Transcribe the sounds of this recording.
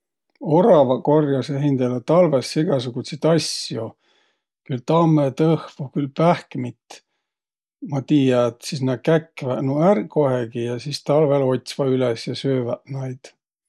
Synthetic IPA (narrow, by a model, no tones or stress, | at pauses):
oɾɑvɑko̞rjɑseɦind̪elet̪ɑlvesːiɡ̥ɑs̬uɡ̥ut̪sit̪ɑsjo | kylt̪ɑmːet̪ɤhvukylpæhkmit̪ | mɑt̪iːjɑet̪sisnɑkækːvæʔnuærko̞heɡijɑsist̪ɑlvelo̞t̪ʲsvɑylesjɑsøːvæʔnɑjd̪̥